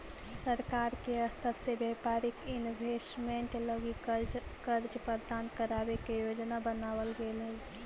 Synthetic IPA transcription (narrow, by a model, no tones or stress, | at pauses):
səɾkaːɾkeəst̪ʰəɾsebɛːpaːɾɪkɪnbʱesmẽɳʈləɡikəɾd͡ʒpəɾd̪aːnkəɾaːwekejoːd͡ʒnabənaːwəlɡele